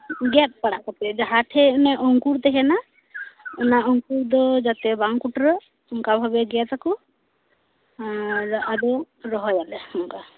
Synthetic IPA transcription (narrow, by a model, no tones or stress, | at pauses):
ɡɛt̪̚ˀpaɽaʔkɔt̪ɛd͡ʒaɦaʈʰɛɔnɛʔɔŋkuɾt̪ɛɦɛna | ɔnaɔŋkuɾd̪ɔd͡ʒat̪ɛbaŋkuʈɾɔ | ɔŋkabʱabɛɡɛt̪akɔ | ad̪ɔ | ɾɔɦɔjalɛɔŋka